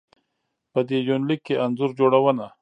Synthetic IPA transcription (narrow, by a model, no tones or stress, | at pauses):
pəd̪ed͡ʒonlikːeʔanzuɾd͡ʒoɽawəna